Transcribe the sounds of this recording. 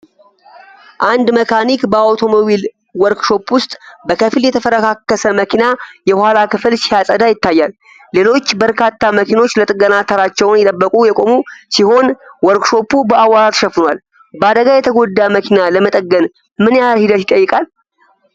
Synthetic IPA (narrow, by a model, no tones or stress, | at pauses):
ʔand̪məkʰanikbəawt̪ʰo̞mo̞bil | wɔɾkʃo̞pwʊst̪ʼbəkʰəfljɛt̪ʰəfəɾəkʰakːəsəməkʰinajɛwhalakɨfɨlsijasʼəd̪ajɪt̪ːajːalː | e̞lo̞t͡ʃːbəɾkʰat̪ːaməkʰino̞t͡ʃːlət̪ʼɨɡənat̪ʰəɾat͡ʃːɛwnjɛt̪ʼəbːəkʼujɛkʼo̞musiho̞nwɔɾkʃo̞pːubəawaɾat̪ʃəfɨnwal | bəad̪əɡajɛt̪ʰəɡo̞d̪ːaməkʰinaləmət̪ʼəɡːən | mɨnjahid̪ət̪jɪt̪ʼːəjːɨkʼal